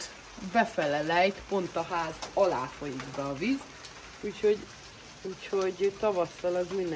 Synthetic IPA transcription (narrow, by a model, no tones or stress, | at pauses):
bɛfɛlɛlɛjt̪po̞nt̪ɒɦaːzɒlaːfo̞jiɡbɛːviz | uːcho̞ɟ | uːcho̞ɟt̪ɒvɒsːɒlɒzmind̪